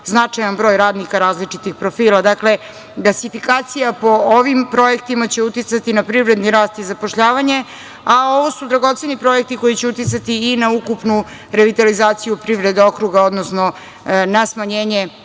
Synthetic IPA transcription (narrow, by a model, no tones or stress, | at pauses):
znat͡ʂajanbɾo̞ːjɾaːd̪nikaɾaːzlit͡ʂit̪ixpɾo̞fiːlˠad̪akle̞ | ɡlasifikaːt̪sijapo̞oʋimpɾo̞je̞kt̪imat͡ɕe̞ut̪it̪sat̪inapɾivɾe̞d̪niɾaːst̪izapoʃʎaːʋaɲe | ao̞ʋo̞sud̪ɾaɡo̞t̪senipɾo̞je̞k̚t̪iko̞jit͡ɕeut̪it̪sat̪iːnaukupnu | ɾe̞ʋit̪alizaːt̪sijupɾiʋɾe̞d̪eo̞kɾuɡao̞d̪nosno̞ | nasmaɲeːɲe̞